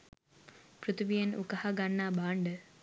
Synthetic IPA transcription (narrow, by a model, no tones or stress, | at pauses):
prut̪ʋijɐnṵkɐhɐɡanːaːbaːɳɖə